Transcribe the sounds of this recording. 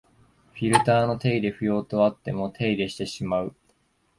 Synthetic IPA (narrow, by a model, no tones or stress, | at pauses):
ɸʲiɾɯ̟t̪aːno̞t̪e̞id̪e̞ɸɯ̟jo̞ːt̪o̞at̪ːe̞mo̞t̪ʰe̞id̪e̞ɕi̥t̪e̞ɕimaɯ̟